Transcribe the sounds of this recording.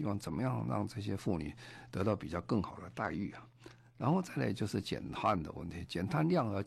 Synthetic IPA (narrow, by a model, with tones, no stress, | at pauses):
i˥wɑ˥˩ŋt͡sə˨˩nmə˦jɑ˥˧ŋɻɑ̰˥˧ŋʈ͡ʂɤ˥˩ɕ̬jɛ˥fu˥˩ny̰˨˩t̪ɤ˧˥t̪ɑ˥˩ʊpi˨˩t͡ɕjɑ˥˧ʊkɤ˥˩ŋxɑ˨˩ʊd̪ə˦t̪a˥˧ɪy˥˩ɐ˩ | ɻa˧˥nxo˥˧ʊt͡sa˥˩ɪla̰˧˥t͡ɕjo˥˧ʊʂɻ̩˥˩t͡ɕjɛ̰˨˩nt̪ʰa˥˩nd̪ə̰˩wə̰˥˩nt̪ʰi˧˥t͡ɕjɛ˨˩nt̪ʰa˥˧nljɑ˥˩ŋə˧˩